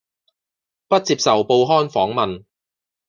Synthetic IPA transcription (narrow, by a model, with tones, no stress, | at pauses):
pɐ˥t̚t͡siː˧˥p̚sɐ˨wpo˧wɦɔː˥nfɔː˨˥ŋmɐ˨n